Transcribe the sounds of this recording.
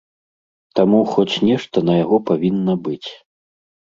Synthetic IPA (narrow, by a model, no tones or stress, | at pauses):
t̪amuxɔt͡sʲnʲɛʂt̪ɐnɐjaɣɔpavʲinːɐbɨt͡sʲ